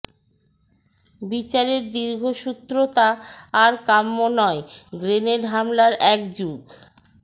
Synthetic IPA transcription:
bit͡ɕaɾeɾd̪iɾɡʱoʃut̪ːɾot̪aːɾkamːonɔeɡɾeneɖɦamlaɾɛkd͡ʑuɡ

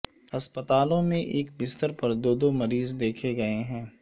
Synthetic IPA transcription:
ɐspət̪aːlõmẽʔeːk̚bɪst̪əɾpɐɾd̪oːd̪omɐɾiːzd̪eːkʰeɡɐeɦɛ̃ː

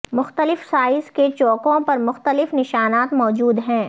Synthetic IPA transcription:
mʊxt̪əlɪfsaːɪsket͡ʃɔːkõpɐɾmʊxt̪əlɪfnɪʃaːnaːt̪mɔːd͡ʒuːd̪ɦɛ̃ː

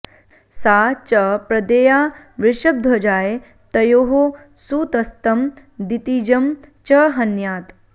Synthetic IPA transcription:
saːt͡ʃɐpɾɐd̪eːjaː | ʋɪɾʂɐb̚d̪ʱɐd͡ʒaːje | t̪ɐjoːɦo | suːt̪ɐst̪ɐm | d̪it̪iːd͡ʒɐmt͡ʃɐɦɐnjaːt̪

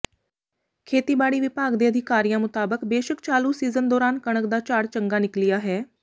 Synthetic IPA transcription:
kʰeːt̪iːbaːɽiːʋɪpaːɡd̪eːəd̪ʱɪkaːɾijãːmʊt̪aːbəkbeːʃəkt͡ʃaːluːsiːzənd̪ɔːɾaːnkəɽ̃əkd̪aːt͡ʃaːɽt͡ʃəŋɡaːnɪklɪjaːɦɛː

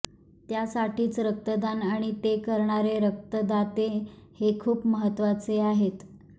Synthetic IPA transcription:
t̪jasaʈiːt͡sɾək̚t̪əd̪anaɽ̃it̪ekəɾɳaɾeɾək̚t̪əd̪at̪ehekʰuːpməɦət̪ʋat͡seaɦet̪

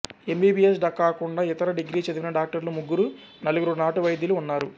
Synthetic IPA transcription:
e̞mbiːbies̬ɖɐkːaːkuɳɖaːit̪ɐɾɐɖiɡɾiːt͡ʃɐd̪iʋinɐɖaːk̚ʈɐɾlumuɡːuɾu | nɐluɡuɾunaːʈuʋɐjd̪jiluunːaːɾu

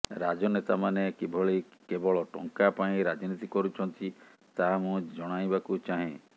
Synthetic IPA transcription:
ɾad͡ʒɔnet̪amanekebʱɔɭikebɔɭɔʈɔ̰ŋkapaĩɾad͡ʒnit̪ikɔɾut͡ʃʰɔnt̪i | t̪aɦamũd͡ʒɔɽ̃ajbakut͡ʃaɦẽ

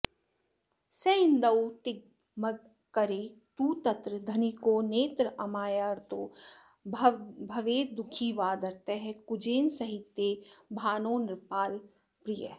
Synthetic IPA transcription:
seɪnd̪ɐwt̪ɪɡ̚ | mɐɡ | kɐɾeːt̪uːt̪ɐt̪ɾəd̪ʱɐnikoːneːt̪ɾəɐmaːjaɾt̪oː | bʱɐʋeːd̪ʊkʰiʋaːd̪ɐɾt̪eɦɛ̃kʊd͡ʒeːnsɐɦɪt̪ːjebʱaːnoːnɪɾpaːl | pɾɪjə̰

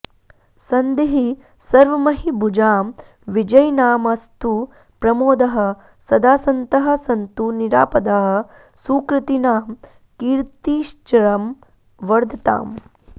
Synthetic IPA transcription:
sɐnd̪eɦi | sɐɾʋɐmɐɦibud͡ʒaːm | ʋid͡ʒɐjnaːmɐst̪u | pɾɐmoːd̪ɐɦɐ̆ | sɐd̪aːsɐnt̪ɐɦɐ̆sɐnt̪uniɾaːpɐd̪aːɦɐ̆ | suːkɾɨt̪inaːm | kiːɾt̪iːʃt͡ʃɐɾɐm | ʋɐɾd̪ʱɐt̪a̰ːm

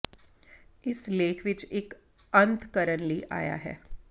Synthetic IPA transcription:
ɪsleːkʰʋɪt͡ʃeːk | ə̃nt̪ʰkəɾənliʔa̰ːja̰ɦɛ̰ː

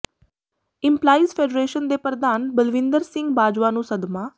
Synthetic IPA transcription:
ɪmplaːiːzpʰeːɖɾeːʃənd̪eːpəɾd̪aːnbəlʋɪ̃nd̪əɾsɪ̃ŋɡbaːd͡ʒʋaːnũːsəd̪maː

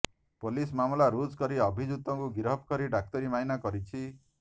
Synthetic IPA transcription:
polismamlaɾud͡ʒkɔɾiɔbʱid͡ʒut̪ɔŋkuɡiɾɦɔpkɔɾiɖak̚t̪ɔɾimainakɔɾit͡ʃʰi

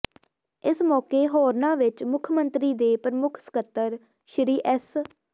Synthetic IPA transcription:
ɪsmɔːkeːɦɔːɾnãːʋɪt͡ʃmʊkʰmənt̪ɾiːd̪eːpəɾəmʊkʰsə̥kət̪ːəɾ | ʃɾiːʔɛs

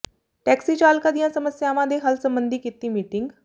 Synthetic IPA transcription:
ʈɛːksiːt͡ʃaːlkãːd̪ɪjãːsəməsjaːʋãːd̪eːɦəlsəmbənd̪iːkit̪iːmiːʈɪŋɡ

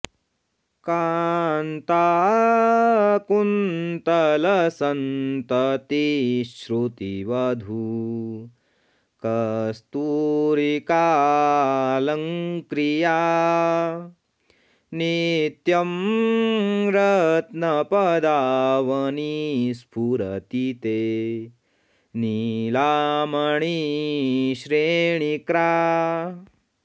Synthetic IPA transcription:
kaːnt̪a | kunt̪ɐlɐsɐnt̪ɐt̪iʃɾut̪iʋɐd̪ʱu | kɐst̪uɾikaː | lɐŋkɾija | nit̪jɐm | ɾɐt̪nɐpɐd̪aːʋɐnispʰuɾɐt̪it̪e | nilaːmɐɳi | ʃɾeːɳikɾaː

